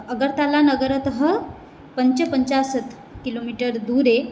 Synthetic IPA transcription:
əɡəɾt̪alanəɡəɾət̪ɦə | pəɲt͡ɕəpəɲt͡ɕasət̪ | kilomiʈəɾd̪uɾe

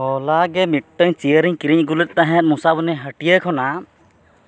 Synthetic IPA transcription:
ɔlaɡɛmiʈʈəɲt͡ʃijəɾiɲkiɾiɲɡulət̪̚ˀt̪aɦɛ̃t̪̚musabunɛɦəʈijəkʰɔna

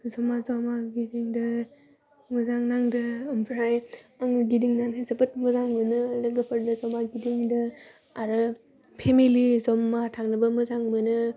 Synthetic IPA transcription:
zɔmazamaɡidiŋdɯ | mɯzaŋnaŋdɯɯmpʰɾajaŋɡidiŋnanɦezɯpɯt̚mɯzaŋbɯnɯdɯɡɯpʰɯɾdɯzɔmaɡidiŋdɯ | aɾɯ | pʰemilizɔmːatʰaŋnɯbɯmɯzaŋbɯnɯ

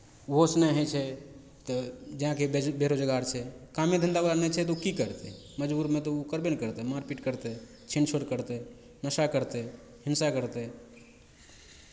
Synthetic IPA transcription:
uɦosnɛɦɛt͡ʃʰɛ | t̪ɔd͡ʒəɦãkebeɾod͡ʒəɡaɾt͡ʃʰɛkamed̪ʱənd̪abalanɛt͡ʃʰɛt̪ɔukikəɾt̪ɛ | məd͡ʒbuɾmet̪ɔukəɾbenkəɾt̪ɛmaɾpiʈkəɾt̪ɛ | t͡ʃʰint͡ʃʰoɽkəɾt̪ɛ | nəsakəɾt̪ɛ | hinsakəɾt̪ɛ

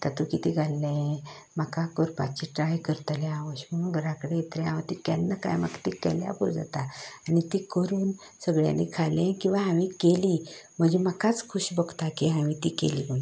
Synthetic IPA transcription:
t̪ət̪ukit̪iɡʱalːɛ̃ | m̤əkakoɾpa̰t͡ɕiʈɾajkəɾt̪əlẽaʋəɕməɽunɡʱəɾãkəɽeet̪ɾɛaʋət̪ikɛnːəka̰jma̰kt̪ikɛ̰lja̰bo̰d͡za̰t̪aːnit̪iːkəɾuːn | səɡɭja̰nekʰalɛ̃kĩw̃ʋaɦãʋĩkeliːm̤əd͡ʑeməkat͡skʰuɕbəɡt̪akiɦaʋĩt̪ikḛliːmə

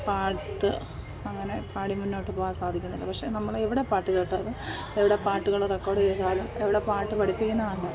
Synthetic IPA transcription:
paːʈːɨ | ɐŋːɐne̞pʰaːɽimunːo̞ːʈːɨpoːasaːd̪ʱikʲːunːilːɐpɐkʂe̞nɐmːɐɭeʋiɽepaːʈːɨke̞ːʈːɐɐðɨ | eʋiɽe̞paːʈːuɣɐɭrekːo̞ːrɽeːðaːlumeʋiɽe̞paːʈːɨpɐɽipːikʲːunːɐðaɳuɳɖɐ

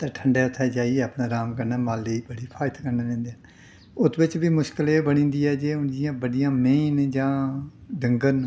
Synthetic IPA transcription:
t̪ẽːʈʰəɳɖɛːʊt̪ʰːɛːd͡ʒaːiɛːaːpnaːɾaːmkəɾnaːmaːlːeːiːbəɽiːpʰaːɪt̪ʰkəɾnaːlẽːnd̪eːn | ʊt̪ʰʋɪt͡ʃʋiːmʊʃkəleːbəɽ̃ĩːnd̪iːɛːd͡ʒeːʊnd͡ʒɪjãːbəɽijãːmẽːnd͡ʒãːɖəŋɡən

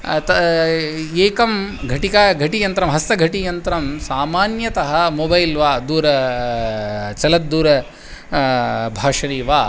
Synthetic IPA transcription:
t̪ɐ | eːkɐmɡʱɐʈikaːɡʱɐʈijɐnt̪ɾɐmɦɐst̪ɐɡʱɐʈijɐnt̪ɾɐmsaːmaːnjɐt̪ɐɦɐmobɐjlʋaːd̪uːɾɐ | t͡ʃɐlɐt̪̚d̪uːɾɐ | bʱaːʂɐɾiːʋaː

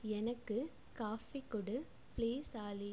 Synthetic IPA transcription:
ɛnɐkːɯ | kaːfikʊɽɯ | pliːsaːli

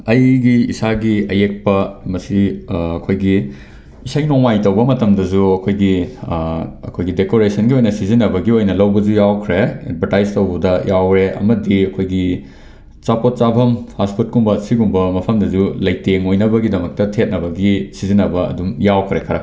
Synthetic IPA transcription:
ɐjɡiisaɡiɐjek̚pɐmɐsiɐkʰojɡi | isajnoŋajtɐwbɐmɐtɐmdɐzuɐkʰojɡi | ɐ̰kʰojɡidekoɾesʰɐnɡiojnɐsizinːɐbɐɡiojnɐlɐwbɐd͡ʒujawkʰɾeḛd̚bʱɐɾtajztɐwbɐdɐjawɾeʔɐ̰mɐdiɐkʰojɡi | t͡ʃapot̚t͡ʃabʱɐmhasput̚kuŋbɐsiɡuŋbɐmɐpʰɐmdɐzulɐjteŋojnɐbɐɡidɐmɐk̚tɐtʰet̚nɐβɐɡisizinɐbɐɐ̰dumjawkʰɾekʰɐɾɐ

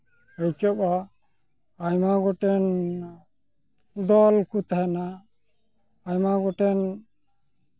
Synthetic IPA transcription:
əjkɔbɔ | ajmaɡɔʈɛn | d̪ɔlkut̪aɦɛna | jmaɡɔʈɛn

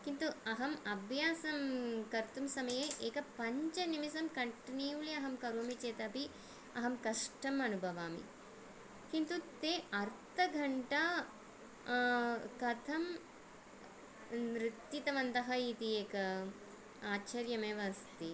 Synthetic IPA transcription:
kint̪uɐɦɐmɐbʱjaːsɐmkɐɾt̪umsɐmɐjeʔeːkɐpɐɲt͡ʃɐnimisɐmkɐɳʈniːuliɐɦɐmkɐɾoːmit͡ʃeːt̪ɐɐpi | ɐɦɐmkɐʂʈɐmɐnubʱɐʋaːmḭ | kint̪ut̪eːɐɾt̪ʰɐɡʱɐɳʈa | kɐt̪ʰɐm | ɾit̪jit̪ɐʋɐnt̪ɐɦɐit̪ieːkɐ | aːt͡ʃɐɾjɐmeːʋɐst̪i

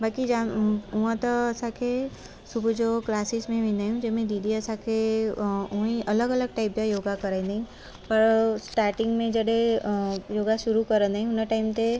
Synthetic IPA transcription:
baːkid͡ʒauãt̪ɐɐsãkʰe | sʊbʱd͡ʒoklaːsɪsmẽʋɪ̃naːjũd͡ʒemẽɖiɖiəsãkʰe | uĩʔɐləɡɐləɡ̚ʈaɪpd͡ʒajoːɡakɐɾaĩnd̪aɦĩ | pɐɾsʈaːɾʈɪ̃ŋɡmẽd͡ʒəɽe | joːɡaʃʊɾukəɾənd̪aɦĩʊnəʈaːɪmt̪e

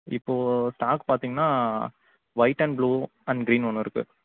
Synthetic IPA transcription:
ɪpːoːsʈaːkpaːɾt̪iːŋɡɐnːaː | ʋɐɪʈːɐnbluːɐnɡɾiːnʋɔnːɯɪɾɯkːɯ̰

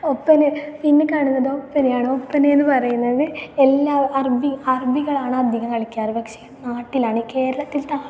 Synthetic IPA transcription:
opːɐninːɨkːaːɳunːɐðoːpːɐnejaːɳɨopːɐneːnːɨpɐrɐjunːɐðɨelːaːɐrbiɐrbiɣɐɭaːɳɨɐd̪ʱiɣɐŋːɐɭikːaːɾbɐkʂɐɐnaːʈːilaːɳike̞ːɾɐɭɐt̪ːilt̪aː

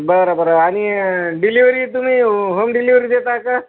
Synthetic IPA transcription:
bəɾobəɾaaɽ̃iɖiliʋɾiːt̪um̤iːɦomɖiliʋɾid̪et̪aka

